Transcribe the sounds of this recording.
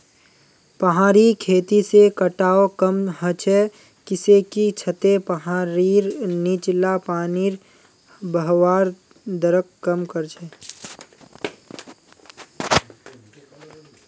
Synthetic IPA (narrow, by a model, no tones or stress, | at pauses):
pəɦaːɾikʰeːt̪isekəʈaːokəmɦət͡ʃʰɛ | kɪsekit͡ʃʰət̪epəɦaːɾiɾniːt͡ʃlapaːniɾ | bəɦwaːɾ | d̪əɾəkːəmkəɾt͡ʃʰɛː